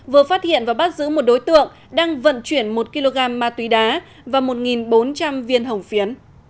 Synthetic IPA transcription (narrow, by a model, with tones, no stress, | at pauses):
vɨ˨˩əfaː˦˥t̚hḭ˧˨ənvaː˨˩wɓa˦˥t̚zɨ̰˧˥mo˨˩t̚ɗo˨˦jt̪ɨ̰˧˨əŋ | ɗaː˧ŋvə̰˧˨nt͡ɕwi˧˩ənmo˨˩t̚ki˧lo˧ɣaː˧mːaː˧t̪wi˨˦ɗaː˨˦ | vaː˨˩wmo˨˩t̚ŋi˨˩nɓo˨˦nt͡ɕa˧mvi˧ənɦə˨˩wŋ͡mfi˨˦ən